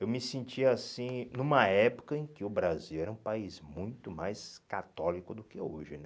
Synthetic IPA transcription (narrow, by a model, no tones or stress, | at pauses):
ewmɪsẽnt͡ʃiɐasĩnũmɐɛpo̥kɐẽkɪʊbɾaziwɛɾɐũpaizmũj̃t̪ʊmajskat̪ɔlikʊd̪ʊkɪoʒɪnɛ